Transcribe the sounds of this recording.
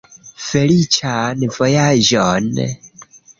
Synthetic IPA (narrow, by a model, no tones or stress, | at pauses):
fɛlit͡ʃʰanivɔjaʒɔnɛ̰